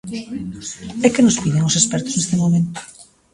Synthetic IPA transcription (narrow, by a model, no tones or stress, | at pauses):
ɛkɪnʊspiðeŋosespɛɾt̪ʊ̥znest̪emomẽnt̪ʊ̥